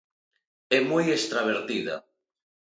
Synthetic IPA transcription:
ɛmojest̪ɾaβ̞eɾθiðɐ̰

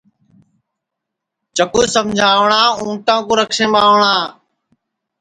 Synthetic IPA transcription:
t͡ʃəkuːsəmd͡ʒʱaːʋɳaːũːʈãːkõːɾəkʰʃẽːɓaːʋɳaː

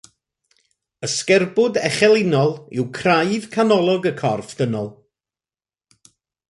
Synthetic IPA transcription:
əskɛrbʊdɛχɛlˠɪnɔlˠɪ̰wkʰrajv̥kʰanɔlˠɔɡəkʰɔrfd̥ənɔlˠ

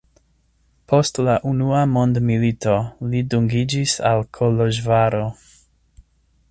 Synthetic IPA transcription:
pʰo̞stlaʔunuamo̞ndmilito̞liduŋɡid͡ʒisalkʰoloʒvaɾo̞

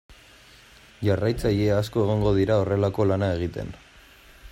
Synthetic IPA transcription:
ʝarajt͡saʎeaːsko̞e̞ɣ̞oŋɡo̞ð̞iɾao̞re̞lako̞lanae̞ɣ̞it̪e̞̰n

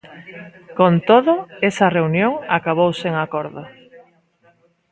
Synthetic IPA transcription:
kont̪oðoesɐreunjoŋakaβ̞owseŋakoɾðo

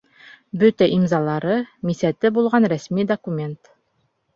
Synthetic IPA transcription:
bɵt̪æʔimzɑlˠɑɾɤmisæt̪ɘbulˠʁɑnɾæsmid̪okumʲe̞nt̪

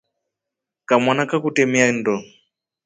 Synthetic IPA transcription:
kamanakakutɛmiandɔ

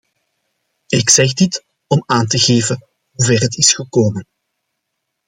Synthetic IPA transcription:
ɪksɛɣdɪt | ɔmaːntəɣeːvə | ɦuvɛːrɦətɪsxəkoːmən

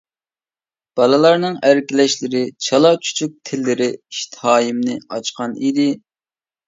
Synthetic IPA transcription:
b̥ɑlˠɨlˠɑɾnɨŋæɾkʲilɛʃlɪɾɪt͡ʃʰɑlˠɑt͡ʃʰy̥t͡ʃʰyk̚ʲt̪ʰɪlːɪɾɪiʃt̪ʰhɑːjimnɪɑt͡ʃqʰɑnid̪ɪ

